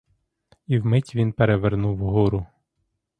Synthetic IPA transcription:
iwmɪtʲʋʲinpeɾeʋernuwɦɔɾʊ

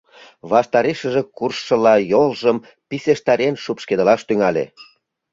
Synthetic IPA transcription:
βɑʃt̪ɑɾeʃə̆ʒĕkurʃːə̆lɑjolʒəm | piseʃt̪ɑɾenʃupʃked̪ə̆lɑʃt̪yŋɑlʲḛ

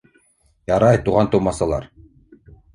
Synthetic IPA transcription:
jɑɾɑjt̪uʁɑnt̪umɑsɑlˠɑ̰ɾ

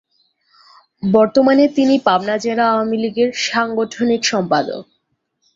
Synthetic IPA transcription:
bɔɾt̪omanet̪inipabnad͡ʑeɾaaoamiliɡeɾʃaŋɡoʈʰonikʃɔmpad̪o̰k̚

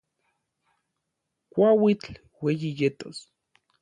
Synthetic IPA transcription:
kʷawit͡ɬ | wejijet̪os

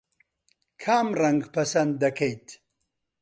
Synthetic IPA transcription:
kʰaːmrɐŋɡpɐsɐnd̪ːɐkʰejt̪

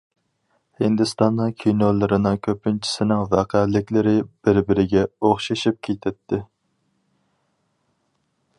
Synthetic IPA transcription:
hɪnd̪ɪst̪ɑnːɨŋkʲʰijnolˠɨɾɨnɨŋkʲʰøpːɪnt͡ʃʰi̥sɪnɪŋvɛqʰælːɪkʲlɪɾɪb̥ɪɾbɪɾɪɡʲɛoχʃɑʃip̚kʲʰet̪ʰɪt̪ʰːɪ

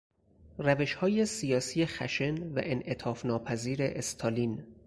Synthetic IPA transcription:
ræve̞ʃhɒːje̞sijɒːsiːjexæʃe̞nvæ̰ʔenʔe̞t̪ʰɒːfnɒːpʰæziːɾe̞ʔest̪ʰɒːliːn

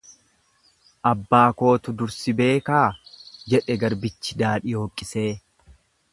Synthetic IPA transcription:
ʔɐbːaːko̞ːt̪ʊd̪ʊɾsɪbe̞ːkaːd͡ʒɛᶑɛɡɐɾbɪt͡ʃːɪd̪aːᶑɪjo̞ːkʼːɪse̞ː

